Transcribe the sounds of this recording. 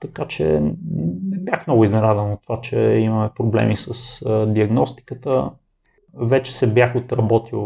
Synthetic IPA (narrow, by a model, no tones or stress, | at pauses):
t̪ɐkat͡ʃɛ̰ | nɛbjaxmnɔɡʊiznɛnazənot̪ːovat͡ʃɛ̰imɐmɛpɾoblɛ̰misəsd̪iɐɡnɔst̪i̥kət̪ə | vɛt͡ʃɛ̥sɛbjaxot̪ɾɐbɔt̪i